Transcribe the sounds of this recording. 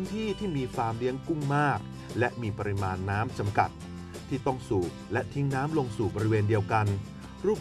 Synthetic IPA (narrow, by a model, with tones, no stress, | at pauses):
ɯ˦˥nt̪ʰiː˥˩t̪ʰiː˥˩miː˧faː˧˩mli˦˥əŋku˥˩ŋmaː˥˩k̚ | lɛ˦˥ʔmiː˧pa˧ɾi˦˥maː˧nːaː˦˥mt͡ɕa˧mka̰˨˩t̪̚ | t̪ʰːiː˥˩t̪ɔ˥˩ŋsuː˨˩k̚lɛ˦˥ʔt̪ʰi˦˥ŋnaː˦˥mlo˧ŋsuː˨˩bɔ˧ɾi˦weː˧ndi˧əwka˧n | ɾuː˥˩p̚